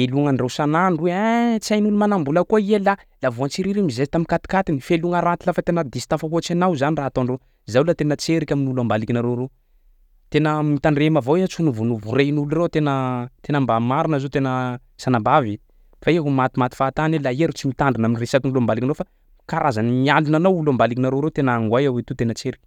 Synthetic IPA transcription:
meluŋanrewsananret͡sajnulumanambulakoielalavoant͡siɾiɾimizeit̪aminkat̪i̥kat̪inifeluŋaɾat̪ilafat̪enəd̪isi̥t̪afaɦot͡sanawzaniraat̪oɳɖ͡ʐe | zawlat̪enət͡seɾikʲaminulambalikʲinaɾore | t̪enəmit̪aɳɖ͡ʐemavoeat͡sunuvunuvuɾenuluret̪enət̪enambamaɾinəzot̪enə | sanambavi | faeɦumat̪imat̪i̥fat̪anelaeɾut͡simit̪aɳɖ͡ʐunaminiresakinulambalikinofa | kaɾazanimialunanawulambalikinaɾoɾet̪enəaŋɡwajawet̪ut̪enət͡seɾikʲi̥

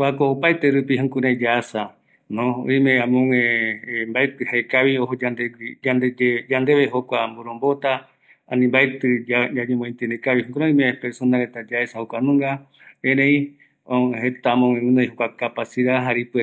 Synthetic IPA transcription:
akoːpajt̪eɾupiɦõŋkuɾẽd͡ʒaasa | nõo̰ĩmẽãmõŋẽmbaet̪ɨhaekaβioɦod͡ʒand̪ed͡ʒand̪ed͡ʒed͡ʒand̪eβeɦokʷamboɾõmbot̪a | anĩmbaet̪ɨd͡ʒaɲẽmõĩnt̪enekaβihõkuɾeĩmẽpeɾsonaɾet̪ad͡ʒaesahokʷanũŋɡa | ẽɾẽĩ | õɦet̪amõŋẽũnõjɦokʷakapasiɾaɦaɾipe

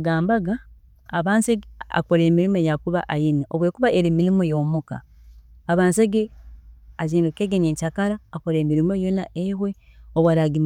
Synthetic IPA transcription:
ɡaːmbaɡaː | βaːnseɡa̰koɾeːmiɾimojakuβaʔajiniʔoβwe̞ːkuβaʔeɾimiɾimojo̞ːmuka̰ː | βaːnseɡe | aziːndokeɡeɲeːɲcakaɾaːkoɾeːmiɾimo̞jonaʔehwe̞oβwaɾaɡim

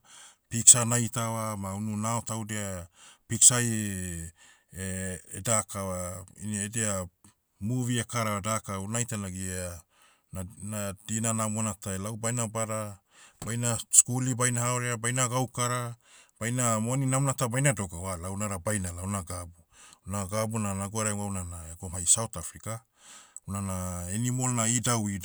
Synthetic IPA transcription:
piksanajtawamaununaotawdeapiksaje | eedakawaḭniedea | muviekaɾaadakawnajtanaɡia | nanadinanamuanataelawbajnabaɾa | bajnaskulibajnahaoɾeabajnaɡawkaɾab̥ajnamoaninamnatabajnado̞ɡawalawnaɾabajnalawnaɡabunaɡabunanaɡuaɾawaunanaeɡomhajsawtafɾika | unanaenimo̞lnaidawi

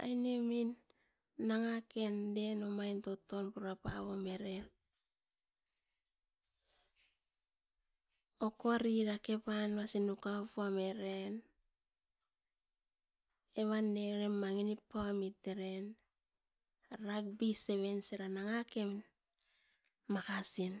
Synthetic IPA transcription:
a̰jneminː | aŋake̞nde̞nomajnto̞tːo̞npuɾapaβome̞ɾe̞n | okoaɾiɾake̞panβasinukapoame̞ɾe̞n | e̞βanːe̞ɾemaŋinipːaamiteɾe̞n | ɾak̚bise̞βe̞nseɾanaŋake̞m | makasin

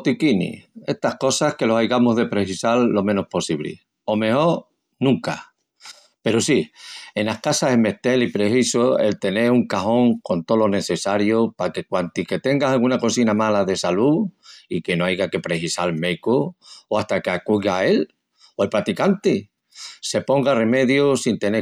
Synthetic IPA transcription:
t̪ikinḭe̞st̪ahko̞sahke̞losajɣamoɦðe̞pɾe̞hisalːo̞mẽnohpo̞siβlḭ | o̞me̞ho̞ɾ | nũŋka̰ | pe̞ɾosie̞nahkasaɦeme̞t̪e̞lipɾe̞sisoe̞lt̪e̞ne̞ɾuŋkaho̞ŋko̞nt̪olo̞ne̞θe̞saɾjopake̞kwant̪ike̞t̪e̞ŋɡasalɣunakosinamalaðe̞saluike̞no̞ajɣake̞pɾe̞hisalmekooast̪akeakuɣae̞l | oelpɾat̪ikant̪i | se̞põ̞ŋɡare̞me̞ðjosint̪e̞ne

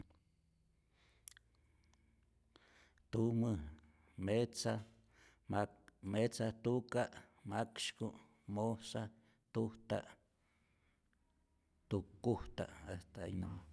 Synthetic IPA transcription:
t̪umə | met͡sa | met͡sat̪ukaʔmakʃku | mosa | t̪uht̪a̰ʔ | t̪ukːuht̪a̰ʔaht̪aa̰jnam

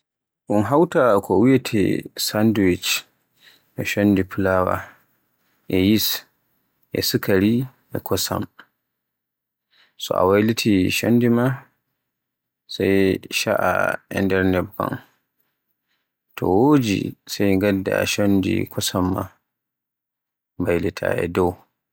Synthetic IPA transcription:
ʔunɦawtakʰɔwijatʰɛ̰sanduwit͡ʃ | ɛʃonːdipulawa̰ | ʔɛjis | ʔɛ̰sukʰaɾi | ʔɛkɔsa̰m | sɔ̰a̰wajlitʰiʃonːdima | sajʃaʔa̰ʔɛndɛɾnɛba̰n | tʰɔ̰woːd͡ʒḭsajŋɡadːa̰ʃondḭkʰɔsamːa̰ | bajlitʰa̰ʔɛ̰dɔw

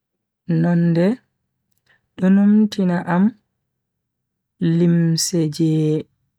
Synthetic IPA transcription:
nɔndɛ | ɗɔnomtinaʔam | limsɛd͡ʒɛː

